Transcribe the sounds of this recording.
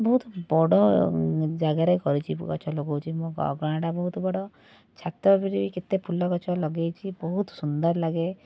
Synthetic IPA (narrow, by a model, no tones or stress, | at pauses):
bɔɦut̪bɔɽɔ | d͡ʒaɡaɾɔjkɔɾit͡ʃʰikɔ̰t͡ʃʰɔlɔɡowt͡ʃʰimoɡɔ̰ɡɾaɽɖabɔɦut̪bɔɽɔ | t͡ʃʰat̪ɔbiɾibikit̪epʰulɔkɔt͡ʃʰɔlɔɡejt͡ʃʰibɔɦut̪ɔsund̪ɔɾlaɡe